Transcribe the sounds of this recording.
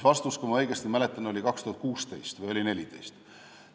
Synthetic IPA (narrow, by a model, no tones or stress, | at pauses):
vɑst̪uskumɑɤ̞jɡ̥est̪imælet̪ːˑɑno̞lʲikɑkst̪uhɑt̪̚kuːst̪e̞̰jst̪vɯjo̞lʲine̞lit̪e̞̰jst̪